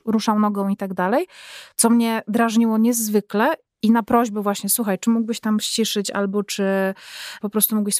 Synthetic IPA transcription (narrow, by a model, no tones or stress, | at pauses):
ɾuʂawnɔɡɔ̃w̃it̪aɡd̪alɛjt̪sɔmɲɛd̪ɾaʐɲiwɔɲɛzvɘklɛ | inapɾɔʑbɛvwaɕɲɛswuxajt͡ʂɘmuɡ̚bɘɕt̪amɕt͡ɕiʂɘt͡ɕa̰lbɔt͡ʂɘpɔpɾɔst̪umuɡbɘɕs